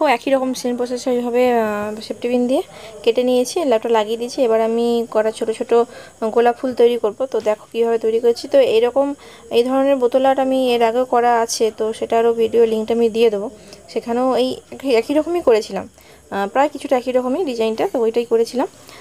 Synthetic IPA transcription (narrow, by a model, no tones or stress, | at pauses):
oɛkiɾɔkomsenpɾos̬esoibʱabesep̚ʈibind̪ie | keʈenijet͡ɕʰilab̚ʈalaɡid̪it͡ɕʰiebaɾamikɔɾat͡ɕʰoʈot͡ɕʰoʈo | ɡolapʰult̪ojɾikoɾbot̪od̪ɛkʰo̥kibʱabet̪ojɾikoɾet͡ɕʰit̪oejɾɔkom | ejd̪ʱɔɾoneɾbot̪olaʈamieɾaɡeokɔɾaat͡ɕʰet̪oʃeʈaɾobʱiɖioliŋk̚ʈamid̪ied̪eboʃekʰaneoejkiɛkiɾɔkomikoɾet͡ɕʰila̰m | pɾaekit͡ɕʰuʈaɛkiɾɔkomiɖid͡ʑajnʈaojʈajkoɾet͡ɕʰilam